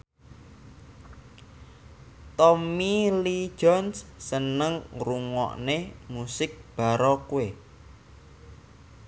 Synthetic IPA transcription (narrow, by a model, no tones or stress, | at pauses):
t̪ɔmili̥ʒ̥ɔnsːənəŋruŋɔ̰ʔnemusɪk̚b̥a̤ɾɔkue